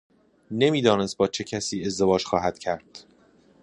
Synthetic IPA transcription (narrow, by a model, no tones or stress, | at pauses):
ne̞miːd̪ɒːne̞st̪̚bɒːt͡ʃʰe̞cʰæsiːe̞zd̪e̞vɒːd͡ʒxɒːɦæd̪̥cʰæɾd̪̥